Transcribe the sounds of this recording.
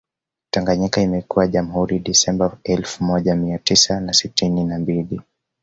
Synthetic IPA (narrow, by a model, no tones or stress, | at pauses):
taŋɡaɲikaimɛkuwaʄam̩huɾiɗisɛmbaɛlfumɔʄamiatisanasitininambili